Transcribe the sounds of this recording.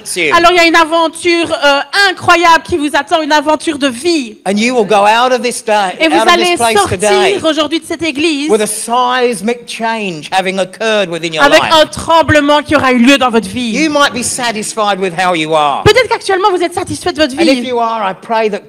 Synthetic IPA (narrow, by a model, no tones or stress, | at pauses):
sʉalɔʁiljaynavɑ̃t̪ʰyːʁəɛ̃kχwajabləkʲivuzat̪ɑ̃ynavɑ̃t̪yʁd̪əviɨ̃njɨwɪlˠɡoʊaʊɾʌvðɪsd̥eɪevualepleɪsɔʁtʰɨt̪eiʁoʒuʁd̪ɥid̪əsɛt̪eɡlizwɪðɨsaɪzmɪk̚t͡ʃʰẽɪ̃nd͡ʒ̥hævɪ̃ŋəkʰɜ˞d̚wɨðɪ̃njəalvɛkɪə̃t̪χɑ̃bləmɑ̃kʲiɔʁayljød̪ɑ̃vɔt̪χvijɨmaɪt̚b̥isæɾɨsfaɪd̚wɪð̥ɦaʊjɨə̰pøt̪ɛt̪χəkak̚t̪ɥɛlmɑ̃vuzɛt̪sat̪isfɛd̪əvɔt̪χvə̃inɪfjəə˞aɪpʰɹ̥eɪðɨt̚